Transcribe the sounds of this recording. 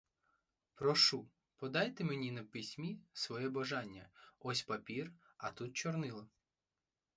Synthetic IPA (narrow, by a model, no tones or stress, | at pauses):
pɾɔʃu | pɔd̪ɑjt̪emenʲinɐpɪsʲmʲisʋɔjɛbɐʒɑnʲːɐɔsʲpɐpʲir | ɐt̪ut̪̚t͡ʃɔrnɪlˠɐ